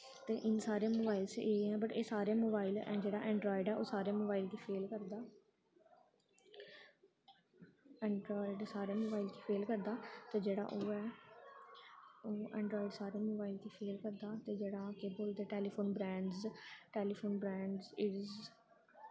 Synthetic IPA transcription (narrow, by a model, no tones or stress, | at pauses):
t̪eːʔɪnsaːɾeːmoːbaːɪlsʔeːɛ̃ːbəʈeːsaːɾeːmoːbaːɪlɛ̃ːd͡ʒeːɽaːʔɛ̃ːɳɖɾɔːɪɖɛːʔo̰ːsaːɾeːmoːbaːɪlk̪iːpʰeːlkəɾd̪aː | ɛ̃ːɳɖɾɔːɪɖsaːɾeːmoːbaːilkiːpʰeːlkəɾd̪aːt̪eːd͡ʒeːɽa̰ːʔoːɛː | oːɛ̃ːɳɖɾɔːɪɖsaːɾeːmoːbaːɪlk̪iːpʰeːlkəɾd̪aːt̪eːd͡ʒeːɽaːkeboːld̪eːʈɛːliːpʰoːnbɾɛ̃ːɳɖzʈeːliːpʰoːnbɾɛ̃ːɳɖzɪz